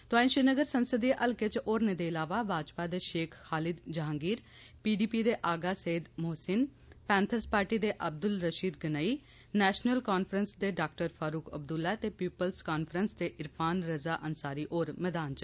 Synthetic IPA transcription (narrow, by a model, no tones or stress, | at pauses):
t̪oaːĩnʃɪnəɡəɾsənsəd̪iʔəlkɪt͡ʃoːɾneːd̪eːɪlaːʋaːbaːd͡ʒpaːd̪eːʃeːkʰhaːlɪd̪d͡ʒaɦːŋɡiːɾ | piːɖiːpiːd̪eːʔaːɡaːseːd̪moːsɪn | pɛ̃ːnt̪ʰəspaːɾʈiːd̪eːʔəb̚d̪ʊlɾəʃiːd̪ɡənaːiː | nɛːʃnəlkaːnpʰɾənsd̪eːɖaːk̚ʈəɾpʰaːɾuːkə̰bd̪ʊlːaːt̪eːpiːpəlskaːnpʰəɾənsd̪eːʔɪɾpʰaːnɾəzaːʔənsaːɾiːʔoːɾmɛːd̪aːnt͡ʃ